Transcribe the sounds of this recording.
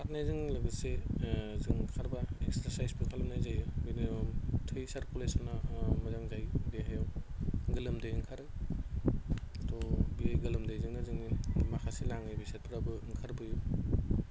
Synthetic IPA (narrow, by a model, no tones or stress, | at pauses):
atnajzɯŋlaɡɯsezɯŋkʰaɾbaek̚saɾsajspʰɯkʰalɐmnajzajbiniɔmtʰɯjsaɾkulesɔnːamɐzaŋzajbeɦajawɡɯlɯmdejŋkʰaɾɯ | atɔbiajɡɯlɯmdajzɯŋnazɯŋnimakʰasilaŋɯjbiset̚pʰɯɾabɯŋkʰaɾbɯju